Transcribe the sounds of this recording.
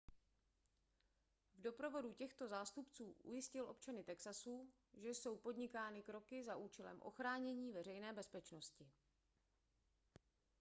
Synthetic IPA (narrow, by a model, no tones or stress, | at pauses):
vdo̞pɾo̞vo̞ducɛxt̪o̞zaːst̪upt͡suːʔṵjɪscɪlʔo̞pt͡ʃanɪt̪ɛksasuː | ʒɛjso̞wpo̞dɲɪkaːnɪkɾo̞kɪzaʔuːt͡ʃɛlɛ̰mʔo̞̰xɾaːɲɛɲiːvɛrɛjnɛːbɛspɛt͡ʃno̞scɪ